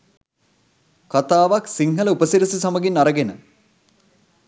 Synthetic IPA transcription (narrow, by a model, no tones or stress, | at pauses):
kat̪aːʋaksiŋɦələupəsiɾisisaməɡinaɾəɡenə